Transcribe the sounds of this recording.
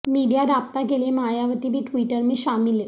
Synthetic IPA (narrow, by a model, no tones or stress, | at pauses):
miɖijaɾab̚t̪akelemajaʋət̪ibʱiːʈʋiʈəɾmeɕamilːe